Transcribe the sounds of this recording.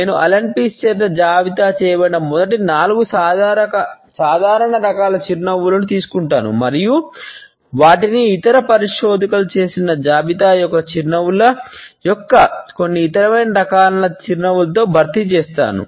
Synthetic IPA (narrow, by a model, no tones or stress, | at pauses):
neːnuʔɐ̰lɐɳpist͡ʃɛːɐd͡ʒaːbit̪aːt͡ʃɛːɐbɐɳɐmɔd̪ɐʈ̬inaːluɡusaːɐkɐ | saːd̪ʱaːɾɐɳɐɾɐkaːlɐt͡ʃiɾnɐʋulɐnut̪iːsu̥kuɳʈaːnṵmɐɾiju | ʋaːʈiniːt̪ɐɾɐpɐɾiʂoːd̪ɐkɐlut͡ʃe̞ːsinɐd͡ʒaːbit̪aːjɔkːɐt͡ʃiɾnɐwulɐjɔkːɐko̞nːiːt̪ɐɾɐmɐjnɐɾɐkaːlɐlɐt͡ʃiɾnɐwulɐt̪̬o̞ːbʱɐɾt̪it͡ʃeːst̪a̰ːnṵ